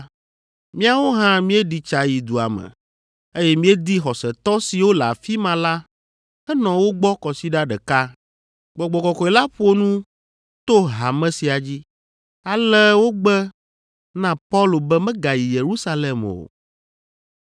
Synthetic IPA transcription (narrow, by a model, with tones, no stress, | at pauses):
mĩ˦a˨wo˦ɦã˦mĩ˦ɛ˦ɖi˨t͡ʃa˨ji˨d̪u˨a̰˨mɛ̰̃˨ | e˦jɛ˦mĩ˦ɛ˦d̪i˦xɔ˨sɛ˨t̪ɔ˦si˨wo˦la˨fi˦mã˨la˦ | ɛ˦nɔ̃˨wo˦ɡ͡bɔ˦kɔ˨si˦ɖa˦ɖɛ˨ka˦ | ɡ͡bɔ˨ɡ͡bɔ˨kɔ˨kɔ˨e˨la˦ɸo˦nũ˦ | t̪o˦ɦa˨mɛ̃˦si˨a˨d͡ʑi˦ | a˨lɛ˦wo˦ɡ͡bɛ˦ | nã˦pa˦lo˨bɛ˦mɛ̃˦ɡa˨ji˨je˨ɾu˦sa˦lɛ˨mo̰˨